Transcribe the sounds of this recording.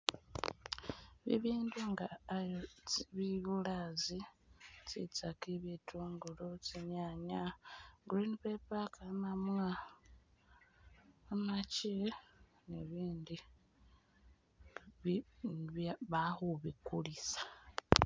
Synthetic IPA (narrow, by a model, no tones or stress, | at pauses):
βḭβiːnduŋɡajβiβulazit͡sḭt͡sakiβitʰuːŋɡulot͡siɲaɲaɡɾinpepakamamwa | mat͡ʃe | neβiːndi | ββaβahuβikulisḁ